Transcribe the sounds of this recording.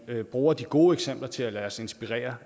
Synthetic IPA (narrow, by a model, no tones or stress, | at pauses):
b̥ʁuːɐd̥iɡ̥o̝ːeɡ̥sem̰b̥lɐt͡sʰe̝lælæːɐse̝nsb̥iʁɛ̰ːɐ